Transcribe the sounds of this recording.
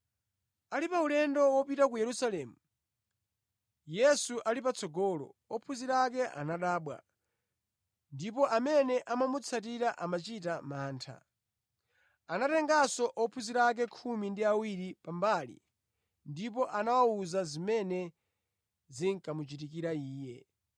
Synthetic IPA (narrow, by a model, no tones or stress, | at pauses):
alipaulɛndɔwɔpitak̬ujɛɾusalɛːmu | jɛsuʔalipat͡sɔɡɔːlɔ̰ɔpʰuziɾak̬ɛʔa̰naɗaːɓwa̰ | ndipɔʔamɛnɛʔamamut͡sʰat̬iɾaʔamat͡ʃitamaːntʰa̰ | anatɛŋɡasɔʔɔpʰuziɾak̬ɛkʰumindiawiɾipambalḭ | ndip̬ɔʔanawauzazimɛnɛ | ziŋkamut͡ʃitik̬iɾaiːjɛ